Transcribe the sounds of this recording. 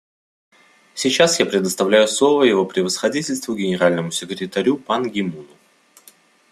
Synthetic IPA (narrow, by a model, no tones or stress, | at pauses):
sʲɪt͡ɕasjapɾʲɪd̪əst̪ɐvlʲæjʊslˠo̞vəjɪvo̞pɾʲɪvəsxɐdʲitʲɪlʲst̪vʊɡʲɪnʲɪɾalʲnəmʊsʲɪkɾʲɪt̪ɐɾʲupanɡʲɪmunʊ